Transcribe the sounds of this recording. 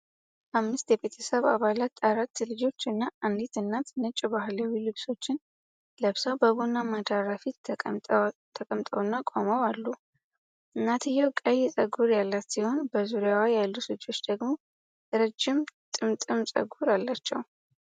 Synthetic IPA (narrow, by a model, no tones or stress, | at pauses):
ʔamːɨst̪jɛbe̞t̪ʰəsəβaβalat̪ːaɾat̪ːlɨd͡ʒo̞t͡ʃːɨnːaand̪it̪ɨnːat̪ʰnɨt͡ʃʼːbahlawilɨβso̞t͡ʃːɪn | ləβsawbəβonːamad̪aɾafit̪ | t̪ʰəkʼəmt̪ʼəwnːakʼaməwalːu | ɨnːat̪ʰɨjːɛwkʼəjːɛsʼəɡuɾjalːat̪siho̞nbəzuɾjawajalːuslɨd͡ʒo̞t͡ʃːd̪əɡmo̞ | ɨɾəd͡ʒːɪmt̪ʼɨmt̪ʼɨmsʼə̰ɡuɾalːat͡ʃːɛw